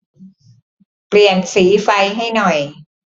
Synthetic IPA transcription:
pli˨˩ənsiː˩˦fa˧jɦa˥˩jnɔ˨˩j

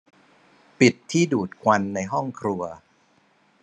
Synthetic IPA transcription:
pi˨˩t̪ʰːiː˥˩duː˨˩t̪̚kʰwa˧nːa˧jɦɔ˥˩ŋkʰɾu˧ɐ

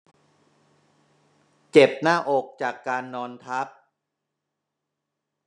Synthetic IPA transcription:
t͡ɕe˨˩p̚naː˥˩ʔoː˨˩k̚t͡ɕaː˨˩kːaː˧nːɔː˧nt̪ʰa˦˥p̚

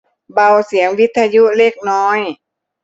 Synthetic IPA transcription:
ba˧˩wsi˩˦əŋwi˦˥t̪ʰːa˧ju˧˥le˧˩k̚nɔː˦˥j

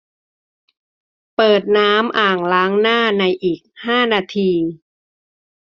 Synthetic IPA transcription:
pɤː˨˩t̪̚naː˦˥mʔaː˨˩ŋlaː˦˥ŋnaː˥˩na˧jʔiː˨˩k̚haː˥˩naː˧t̪ʰiː˧

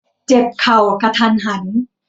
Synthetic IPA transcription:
t͡ɕe˨˩p̚kʰa˨˩wka˧t̪ʰaː˧˩nɦa˩˦n

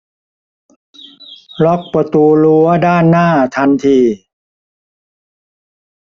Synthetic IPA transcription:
lɔ˦˥k̚pa˨˧˩t̪uː˧lu˧˦ɐdaː˥˩nːaː˥˩t̪ʰa˧nt̪ʰiː˧

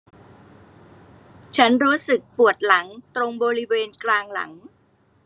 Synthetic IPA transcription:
t͡ɕʰa˦˥nɾuː˦˥sɯ˨˩k̚pu˨˩ət̪̚la˩˦ŋt̪ɾo˧ŋbɔː˧ɾi˦˥weː˧nklaː˧ŋla̰˩˦ŋ

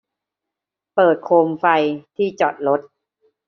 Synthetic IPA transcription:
pɤː˨˩t̪̚kʰoː˧mfa˧jt̪ʰiː˥˩t͡ɕɔ˨˩t̪̚ɾo˦˥t̪̚

